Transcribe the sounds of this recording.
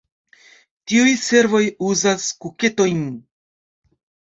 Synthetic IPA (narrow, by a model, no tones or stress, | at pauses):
tiujse̞ɾvo̞juzaskuke̞to̞jn